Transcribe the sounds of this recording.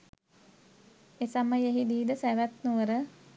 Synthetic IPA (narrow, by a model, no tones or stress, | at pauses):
esaməjeɦid̪iːd̪əsæʋæt̪nuʋəɾə